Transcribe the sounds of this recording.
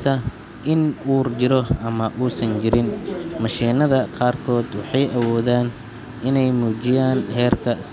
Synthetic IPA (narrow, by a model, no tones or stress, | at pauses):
sɐ | ʔɪnuːrd͡ʒɪɾɔʔɐmɐʔuːsɐnd͡ʒɪɾɪnmɑʃiːnɐðɐqɑːrkʰɔːd̪wɑħɑjʔɐwɔːðaːn | ɪnɛjmuːd͡ʒɪjaːnɦɛːrkʰɐs